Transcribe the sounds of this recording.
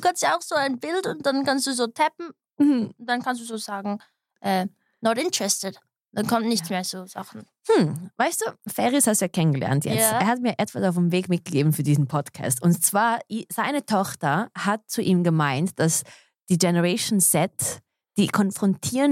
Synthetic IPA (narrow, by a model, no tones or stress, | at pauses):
dkastjaʊxz̥oːaɪnbɪltʊnt̚d̥ankanstd̥uːzoːtʰɛpm̩ | ʊnd̥ankʰans̬d̥uːzoːzaːɡŋ̩ | ʔɛː | nɔtɪntɹɛstɪd | d̥ankʰɔmtnɪçt͡smeːɐzoːz̥a̰χn̩ | hm̩vaɪstd̥uːfɛːʁishastd̥uːjaːkʰɛnənɡəlɛ̰ɐntjɛ̰t͡steːɐhatmiːɐʔɛtv̥asaʊfemveːkmɪt̚ɡ̥əɡeːbm̩fyːɐdiːzn̩pʰɔtkʰa̰ːstʊntt͡sv̥aːɐʔiz̥aɪnətʰɔχtɐhat̚t͡suʔiːmɡəmaɪntd̥as | d̥iːɡɛnəʁɛɪʃnsɛt | d̥iːkʰɔnfʁ̥ɔntʰiːə